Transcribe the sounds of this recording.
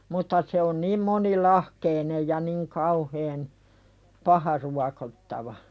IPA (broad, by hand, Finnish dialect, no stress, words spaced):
mutːɑ se on niːm monilɑhkeinej jɑ niŋ kɑuheːn pɑhɑ ruɑkotːɑʋɑ